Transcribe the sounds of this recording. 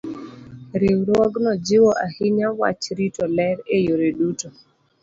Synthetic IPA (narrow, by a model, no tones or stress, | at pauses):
ɾɪwɾwɔɡnɔd͡ʒɪwɔʔahɪɲawa̰t͡ʃɾitɔlɛɾejoɾeduto